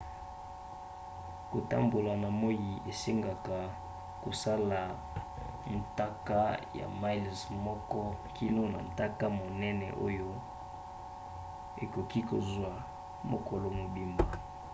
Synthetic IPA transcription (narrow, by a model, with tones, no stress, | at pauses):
ko˨ta̰˦mbo˨la˨na˨mo˦ji˨e˨se˦ŋɡa˨ka˨ | ko˨sa˦la˨ | n˨ta˦ka˦ja̰˨ma˦lzmɔ˦kɔ˦ki˦lo˦na̰˨n˨ta˦ka˦mo˨nɛ˦nɛ˨ʔo̰˦jo˦ | e˨ko˨ki˦ko˨zwa˨ | mo˨ko˨lo˨mo˨bi˦mba˨